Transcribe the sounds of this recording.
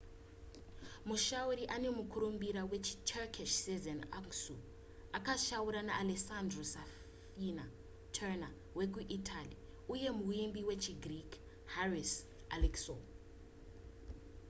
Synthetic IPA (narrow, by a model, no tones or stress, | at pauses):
muʃauɾiʔane̞mukʰuɾumbiɾawe̞t͡ʃʰi̥tʰɛkʰiʃsizanaŋsu | akaʃawuɾanaʔalesandrosa | fina | tʰɛna | wek̬uʔitʰali | uje̞muimbiwe̞t͡ʃʰiɡrik | haris | alikso